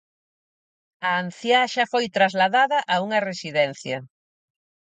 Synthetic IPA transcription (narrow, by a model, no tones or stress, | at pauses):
ɐːn̟θjaʃafojt̪ɾazlaðaðɐʔauŋɐresiðɛnθjɐ̰